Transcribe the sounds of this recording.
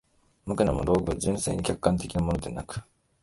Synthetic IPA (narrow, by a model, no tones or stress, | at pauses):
mɯ̟kɯ̟na̰moɾo̞ːɡɯ̟βad͡ʑɨ̃ɰ̃se̞̰ːɲ̟ikʲakɯ̥kːãnt̪e̞kʲinamo̞no̞d̪e̞nakɯ̟̥